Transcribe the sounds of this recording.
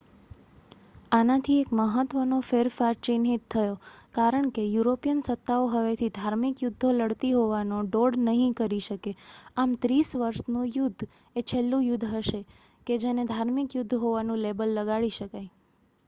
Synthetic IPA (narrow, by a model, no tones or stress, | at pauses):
anat̪ʰiekməɦət̪ʋənofeɾfaɾt͡ʃinɦit̪ʰːəjokaɾəɳkejuɾopijənsət̪ːaoɦəʋet̪ʰid̪ʱaɾmikjud̪ʱːoləɽt̪iɦoʋanoɖoɽnəɦĩkəɾiʃəkeamt̪ɾisʋəɾʃnũjʊd̪ʱː | et͡ʃʰelːũjʊd̪ʱːɦəʃe | ked͡ʒened̪ʱaɾmikjʊd̪ʱːɦoʋanũlebəlːəɡaɭiʃəkaj